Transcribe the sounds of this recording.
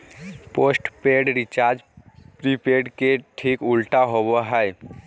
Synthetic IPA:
poːsʈpeːɖɾɪt͡ʃaːɾd͡ʒpɾipeːɾɖkeʈʰiːkʊlʈaɦowoɦɛj

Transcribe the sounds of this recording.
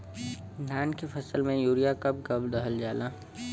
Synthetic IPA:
naːnkefʰɐsəlmẽjuːɾijakɐp̚ɡɐbld̪əɦəld͡ʒaːlaː

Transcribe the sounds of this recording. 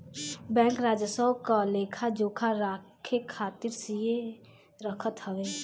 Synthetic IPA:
bɛ̃ːŋkɾaːd͡ʒəsəwkaleːkʰad͡ʒoːkʰaɾaːkʰekʰaːt̪ɪɾsie | ɾəkʰət̪həʋeː

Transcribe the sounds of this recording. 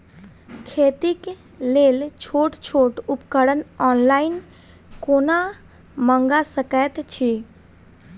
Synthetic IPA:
kʰet̪ik | lelt͡ʃʰoʈt͡ʃʰoʈupkəɽənɔnlain | kona | məŋɡasəkət̪t͡ʃʰi

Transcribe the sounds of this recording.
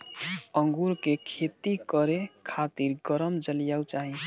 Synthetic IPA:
ə̃ŋɡuɾkekʰet̪ikəɾekʰat̪iɾɡəɾəmd͡ʒəlijawt͡ʃaɦĩ

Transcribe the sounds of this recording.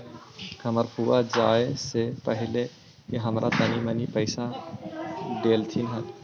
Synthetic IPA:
kʰɐməɾpʰuːad͡ʒaːesepəɦɪle | keɦɐmɾʔa̰t̪ɐnimənipəɪsa | ɖeːlt̪ʰinɦɛ

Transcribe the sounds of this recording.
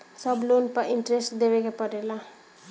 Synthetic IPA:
sʌblonpʌɾiɳʈɾesʈd̪ebekepʌɾela

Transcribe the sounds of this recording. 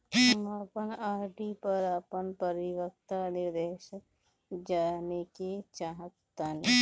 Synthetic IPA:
maːpənaːɾʈipəɾapənpəɾɪʋək̚t̪anɪɾd̪ɛːʃək̚ | d͡ʒaːneket͡ʃaɦət̪ːani

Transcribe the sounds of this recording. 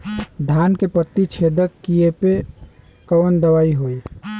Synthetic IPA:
d̪ʱankepət̪ːit͡ʃʰed̪əkːijepe | kənd̪əʋaːiɦoi

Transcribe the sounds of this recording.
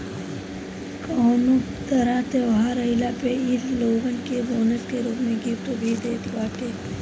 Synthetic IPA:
koːnu | t̪ɐɾãt̪eʋɦaːɾɐɪlapeilloːʋənkeboːnət̪keɾuːpmẽɡipt̪obʱiːd̪eːt̪ʰbaːʈe

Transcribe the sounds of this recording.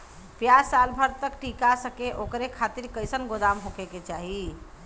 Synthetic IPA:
pjasalbʱəɾt̪əkʈikasəkeʔokɾekʰat̪iɾkəjsənɡod̪amɦokeket͡ʃaɦi

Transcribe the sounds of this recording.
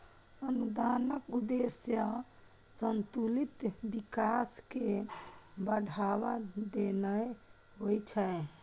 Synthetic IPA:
ənud̪anəkud̪esjə | sənt̪ulit̪bikaske | bəɽʱaβad̪enə | ɦojt͡ʃʰɛ

